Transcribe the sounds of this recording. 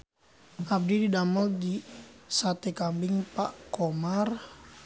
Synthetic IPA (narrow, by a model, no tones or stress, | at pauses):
ʔab̚dididamɔldisat̪ekambɪŋpaʔkomar